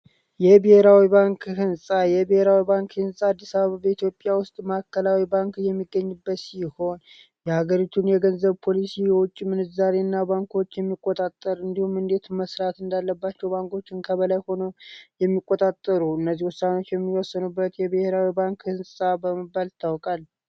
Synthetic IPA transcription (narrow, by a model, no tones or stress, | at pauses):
jɛbehe̞ɾawibaŋkhɨnsʼajɛbəhe̞ɾawibaŋkhɨnsʼaad̪ːisaβəβabəit̪ʰjo̞pʼjawʊst̪ʼmakːəlawibaŋkjɛmːiɡːəɲːɨbːət̪siho̞n | jɛhaɡəɾit̪ʰunjɛɡənzəβpʰo̞lisijɛwʊt͡ʃʼːimɨnɨzaɾe̞nːabaŋko̞t͡ʃːjɛmːikʼːot̪ʼat̪ʼːəɾɨnd̪ihumɨnd̪e̞t̪məsɾat̪ɨnd̪alːəbːat͡ʃːɛwbaŋko̞t͡ʃːɪnkʰəβəlajho̞nojɛmːikʼːot̪ʼat̪ʼːəɾuɨnːəzːihwɔsːano̞t͡ʃːjɛmːiwɔsːənubːət̪jɛbɨhe̞ɾawibaŋkhɨnsʼabəməbːalt̪ʰawkʼalː